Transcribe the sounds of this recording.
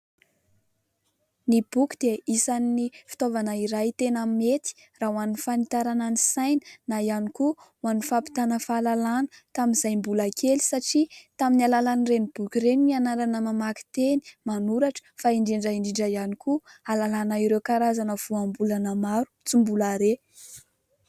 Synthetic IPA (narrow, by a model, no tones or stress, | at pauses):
nib̥ukʲu̥d̪̥eisaninifi̥t̪ovanaiɾajt̪enammet̪i̥ | raɦuannfanit̪aɾananisajnə̥naianikuwanufapi̥t̪anəfalalanə̥t̪aminz̥ajmbulakʰeli̥saʈ͡ʂit̪aminialalanrenib̥ukʲiɾenmianaɾanəmamaki̥t̪eni̥manuɾaʈ͡ʂə̥faiɳɖ͡ʐiɳɖ͡ʐaiɳɖ͡ʐiɳɖ͡ʐajanikualalanaiɾewkaɾazanəv̥uambulanəmaɾu̥t͡simbulaɾe